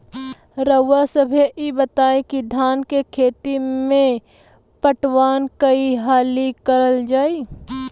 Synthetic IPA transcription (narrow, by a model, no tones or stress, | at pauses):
ɾəwasəbʱeʔibət̪aːẽkid̪ʱaːnkekʰeːt̪imẽ | pəʈwaːnkəiɦaːlikəɾəld͡ʒaːi